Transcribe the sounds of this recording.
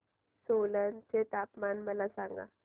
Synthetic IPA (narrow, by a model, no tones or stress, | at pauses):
solənt͡set̪apmanməlasaŋɡa̰